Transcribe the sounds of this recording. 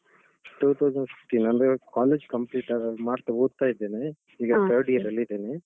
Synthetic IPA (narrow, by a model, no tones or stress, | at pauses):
ʈuːt̪ʰɐwd͡ʒɐɳɖsi̥kʈinɐndekaːleːd͡ʒkɐmpliːʈaːɡɐmaːɖt̪ɐbuːd̪̚t̪aːjid̪ːeːne | iːɡɐt̪ʰɐɾɖiɐɾɐlːid̪eːne